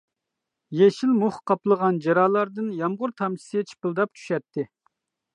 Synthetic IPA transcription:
jeʃilmuχqʰɑplˠəʁɑnd͡ʒɑɾɑːlˠɑɾd̪ɨnjɑmʁʊɾt̪ʰɑmsɛt͡ʃʰi̥pɨlˠd̪ɑp̚t͡ʃʰy̥ʃɛt̪ʰːɪ

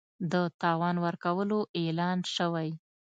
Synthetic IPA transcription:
d̪ət̪ɑwɑnwəɾkawəloʔelɑnʃəwaj

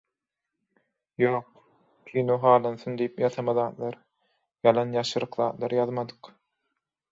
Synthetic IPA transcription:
joːq̚ | kʲʰinuɦɑːlˠɑnθɯnd̪iipjɑθɑmɑðɑːt̪lˠɑɾ | jɑlˠɑnjɑʃɯɾɯqðɑːt̪lˠɑɾɯjɑðmɑd̪ɯ̥q

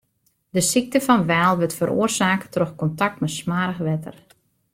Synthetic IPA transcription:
dəsik̚təfɑnʋɛːlˠʋətfəɾʔo̰ərsaːkətroxkɔntak̚tmɛsmaːɾəxʋɛtə̰r

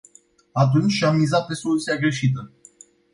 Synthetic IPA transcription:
at̪̬unt͡ʃʲamːizat̪̚pe̞so̞lut̪siaɡɾe̞ʃit̪̬ə

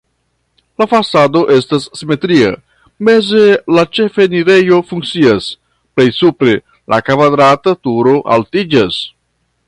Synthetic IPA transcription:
lafasado̞ʔe̞stasːime̞tɾia̰ | me̞ze̞lat͡ʃe̞feniɾe̞jo̞fuŋk̚t͡sias | ple̞jsupɾe̞ | lʔa̰kavad̪ɾatatuɾo̞ʔa̰ltid͡ʒas

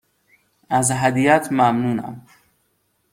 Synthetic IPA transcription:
æzɦæd̪iːjæt̪ʰmæmnuːnæ̰m

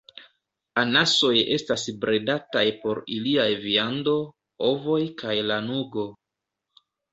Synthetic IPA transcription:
anaso̞je̞stasbɾʔedatajpo̞ɾiliajviando̞ | ovo̞jkajlanuɡo̞

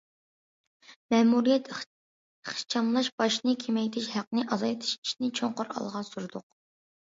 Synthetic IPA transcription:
mɛːmuɾijɛt̪ | χt͡ʃʰɑmlˠɑʃbɑʃnɨkʲʰemɛjt̪ʰɪʃhæqnɨʔɑzɑjt̪ʰi̥ʃi̥ʃnɪt͡ʃʰoŋqʊɾɑ̰lˠʁɑsuɾd̪ʊq̚

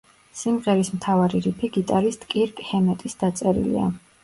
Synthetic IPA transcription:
simʁɛɾismt̪ʰavaɾiɾipʰiɡit̪ʼaɾist̪ʼkʼiɾkʼhɛmɛt̪ʼisd̪̥at̪sʼɛɾḭlḭa̰

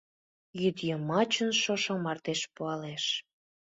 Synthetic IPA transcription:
jyd̪jəmɑt͡ɕənʃoʃŏmɑrt̪eʃpuɑleʃ

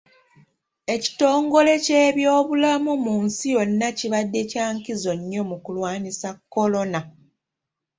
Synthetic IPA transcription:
e̞ci̥to̞ːŋɡo̞le̞ceːβjo̞ːβulamumuːnsijo̞nːaciβadːe̞caːŋkizo̞ɲːo̞mukulwaːnisakːo̞lo̞na

